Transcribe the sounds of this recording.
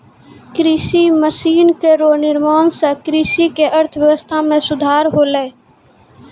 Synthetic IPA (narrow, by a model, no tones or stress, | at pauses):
kɾisiməsiːnkeɾonɪɾmaːnsə̃kɾisikeʔəɾt̪ʰʋjəʋəst̪ʰamẽsʊd̪ʱaːɾɦoːlɛː